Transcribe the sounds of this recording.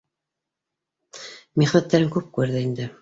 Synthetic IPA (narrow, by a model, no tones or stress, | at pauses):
miχnæt̪ːæɾɘŋkʉp̚kʉɾðɘind̪ɘ